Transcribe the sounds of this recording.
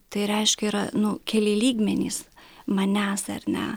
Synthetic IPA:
t̪ɐɪɾʲɛɪʃʲkʲɛiːɾɐnʊkʲɛlʲeːlʲiːɡmʲɛnʲḭːsmɐnʲæːsɐ̰rʲnʲɛ̰

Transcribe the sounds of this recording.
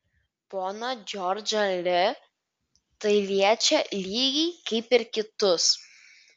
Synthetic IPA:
poːnɐd͡ʒʲɔɾʲd͡ʒɐlʲɪ | t̪ɐɪlʲiɛt͡ʃʲɛlʲiːɡʲiɪkɐɪpɪɾkʲɪt̪ʊs

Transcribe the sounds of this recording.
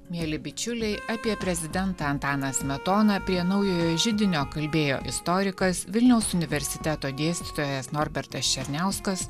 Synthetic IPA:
mʲiɛlʲɪbʲɪt͡ʃʲʊlʲɛɪʔɑpʲiɛpʲɾʲɛzʲɪd̪ʲɛnt̪ɐɐnt̪ɑːnɐsmʲɛt̪oːnɐpʲɾʲiɛnɐʊjoːjoːʒʲɪd̪ʲɪnʲoːkɐlʲbʲeːjo̰ːʔɪ̰st̪ɔɾʲɪkɐsʋʲɪlʲnʲɛʊsʊnʲɪʋʲɛɾʲsʲɪ̥t̪ʲɛt̪oːd̪ʲiɛsʲt̪ʲɪ̥t̪oːjɛsnɔɾʲbʲɛɾt̪ɐst͡ʃʲɛɾʲnʲæˑʊskɐs

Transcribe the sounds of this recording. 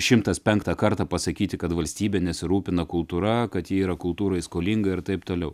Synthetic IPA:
ʃʲɪmt̪ɐspʲɛŋkt̪ɐkɐɾt̪ɐːpɐsɐkʲiːt̪ʲɪkɐt̪ʋɐlʲsʲt̪ʲiːbʲɛnʲɛsʲɪɾuːpʲɪnɐkʊlˠt̪uːɾɐkɐt̪jiːiːɾɐkʊlˠt̪uːɾɐɪskoːlʲɪŋɡɐɪɾt̪ɐɪpt̪oːlʲɛʊ

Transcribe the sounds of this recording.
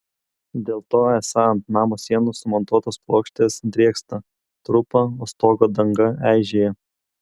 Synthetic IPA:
d̪ʲeːlˠt̪oːɛsɑɐnt̪nɑːmoːsʲiɛnuːsʊmɔnt̪uɔt̪oːsplˠoːkʃʲt̪ʲesd̪ʲɾʲiɛkst̪ɐ | t̪ɾʊpɐoːst̪oːɡoːd̪ɐŋɡɐæˑɪʒʲeːjɛ

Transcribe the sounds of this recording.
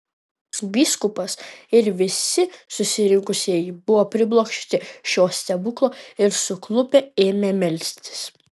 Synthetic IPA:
bʲiːskʊpɐsɪɾʋʲɪsʲɪsʊsʲɪɾʲɪ̃ŋkʊsʲiɛjibʊʋoːpʲɾʲɪblˠoːkʃʲt̪ʲɪʃʲoːsʲt̪ʲɛbʊklˠoːɪɾsʊklˠʊpʲɛeːmʲeːmʲɛlʲsʲt̪ʲɪ̥s

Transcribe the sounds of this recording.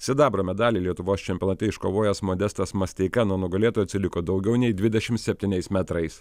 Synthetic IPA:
sʲɪd̪ɑːbɾoːmʲɛd̪ɑːlʲiːlʲiɛt̪ʊʋoːst͡ʃʲɛmʲpʲiɔnːt̪ʲɛɪʃkoʋoːjɛsmoːd̪ʲɛst̪ɐsmɐsʲt̪ʲɛɪkɐnuɔnʊɡɐlʲeːt̪oːjɐt̪ʲsʲɪlʲɪkoːd̪ɒʊɡʲɛʊnʲɛɪd̪ʲʋʲɪd̪ʲɛʃʲɪmt̪sʲɛpʲt̪ʲɪnʲɛɪsmʲɛt̪ɾɐɪs

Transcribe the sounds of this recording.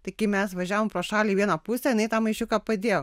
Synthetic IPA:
t̪ɐɪkɐɪmʲɛsʋɐʒʲæːʋoːmpɾoːʃɑːlʲiːʋʲiɛnɐpusʲɛjɪnɐɪt̪ɑːmɐɪʃʲʊkɑpɐd̪ʲeːjo

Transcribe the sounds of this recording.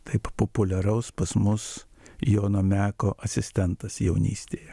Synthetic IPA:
t̪ɐɪppopʊlʲɛɾɐʊspɐsmʊs | joːnoːmʲæːkoːʔɐsʲɪsʲt̪ʲɛnt̪ɐsjɛʊnʲḭːsʲt̪ʲeːjɛ

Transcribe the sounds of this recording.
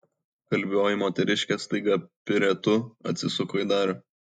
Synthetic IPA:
kɐlʲbʲoːjɪmoːt̪ʲɛɾʲɪʃʲkʲɛst̪ˠɐɪɡɐpʲɪɾʲɛt̪ʊɐ̰t̪ʲsʲɪsʊkoːɪd̪ɑːɾʲo

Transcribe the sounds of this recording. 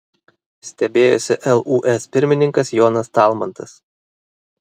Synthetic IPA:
sʲt̪ʲɛbʲeːjo̰sʲɪʔɛlˠʔuːʔɛspʲɪɾʲmʲɪnʲɪŋkɐsjɔːnɐst̪ɑˑlˠmɐnt̪ɐs

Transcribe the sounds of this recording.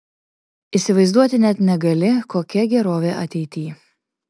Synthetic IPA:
isʲɪʋɐɪzd̪uɔt̪ʲɪnʲɛt̪nʲɛɡɐlʲɪkoːkʲɛɡʲɛɾoːʋʲeːʔɐt̪ʲɛɪt̪ʲiː

